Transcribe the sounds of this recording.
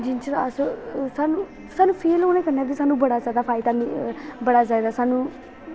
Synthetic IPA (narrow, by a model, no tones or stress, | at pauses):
d͡ʒɪnt͡ʃəɾa̰ssaːnũː | saːnũːpʰeːloːnẽːkəɾnaːdiːsaːnũːbəɽaːzaːd̪aːpʰaːɪd̪aːmibəɽaːzaːd̪aːsaːnũː